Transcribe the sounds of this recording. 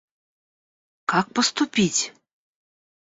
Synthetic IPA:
kɑk̚pəst̪upʲitʲ

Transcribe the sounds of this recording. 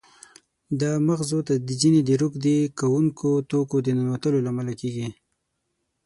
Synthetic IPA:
d̪əmaɣzot̪ad̪əd͡ʒined̪əɾʊkd̪ekawuŋkʰot̪okod̪ənanwat̪əlolamalakeɡi

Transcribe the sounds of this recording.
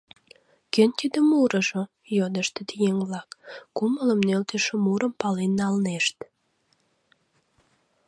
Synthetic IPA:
kønt̪id̪əmuɾəʒo | jod̪əʃt̪et̪ijeŋβlɑkːumələmnølt̪eʃomuɾəmpɑlenːɑlneʃt̪

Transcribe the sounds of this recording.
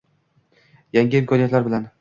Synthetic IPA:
jaŋʲɪɪmkʰɒnijat̪laɾbɪlan

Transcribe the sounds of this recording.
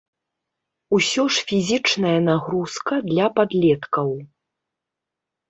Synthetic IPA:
usʲɔʂfʲizʲit͡ʂnɐjɐnaɣɾuskɐd̪lʲɐpad̪lʲɛt̪kɐw

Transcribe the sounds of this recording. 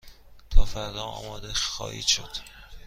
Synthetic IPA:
t̪ʰɒːfæɾd̪ɒːɒ̰ːmɒːd̪exɒ̰ːhḭːʃo̰d̪̥

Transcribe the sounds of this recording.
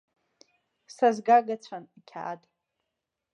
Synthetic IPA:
sazɡaɡat͡ɕʷʰanikʲʰa̰ːtʼ

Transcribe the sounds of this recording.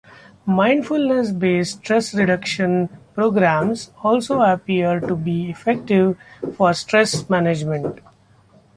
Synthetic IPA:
mãɪ̃ɳɖfʊlnes̬beːsʈɾesɾɪɖʌkʃə̃npɾoːɡɾæ̃msɔːlsoːəpiəɾʈubiːɪfɛk̚ʈɪʋfɔːɾsʈɾesmæned͡ʒmẽɳʈ

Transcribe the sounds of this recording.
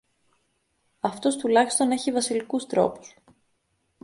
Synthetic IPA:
ɐft̪o̞st̪ulɐçist̪o̞ne̞çivɐsilikust̪ɾo̞̰pu̥s

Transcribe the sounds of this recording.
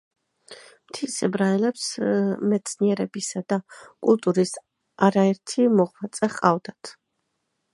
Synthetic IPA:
mt̪ʰisɛbɾaɛlɛpsmɛt̪sʰniɛɾɛbisad̪akʼulˠt̪ʼuɾis | aɾaɛɾt̪ʰimɔʁmat̪sʼɛχqʼavd̪at̪ʰ

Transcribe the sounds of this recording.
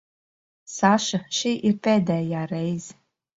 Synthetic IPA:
saʃaʃiʔirpʰedajjarejz

